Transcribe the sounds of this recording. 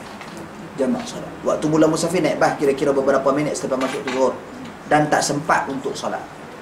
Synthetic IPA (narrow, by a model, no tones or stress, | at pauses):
d͡ʒamaʔsɔlawa̰ʔt̪umulamusafinajiʔbahkiɾakiɾabəbəɾapaminɛt̪̚sə̥t̪apamasʊʔt̪uɡʊt | dant̪aʔsəmpa̰t̪̚unt̪ʊksɔla̰t